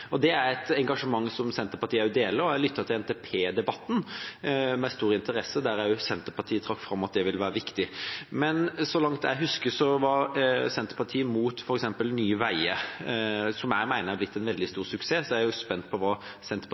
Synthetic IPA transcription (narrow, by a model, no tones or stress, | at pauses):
ɔd̪ɛæɾɛt̪ɛŋɡɑʂəmɑŋːsɔmsɛnt̪əpɑt̪ʰiːæɾjʊd̪eːləɾɔæɪlʏt̪ʰːɑt̪ʰɪlɛnt̪eːpʰeːd̪ɛbɑt̪ːn | mɛst̪uːɾɪnt̪əɾɛsəd̪æɾæɾjʊsɛnt̪əɾpʰɑt̪ʰiːət̪ʰɾɑkːfɾɑmːɑt̪̚d̪ɛʋɪlʋæːɾəʋɪkt̪ɪmɛnsɔlɑŋt̪æ̰ɪɦʉskəsɔʋɑɾsɛnt̪ə̥pʰɑt̪ʰiːəmuːt̪fɔɾɛksɛmpəlnyːʋæɪə | sɔmæɪmæɪnəɾæblɪt̪ːɛnʋɛld̪ɪst̪uːɾsʉkseːsɔæɾjʊspɛnt̪̚pʰɔʋɑː | sɛnt̪əp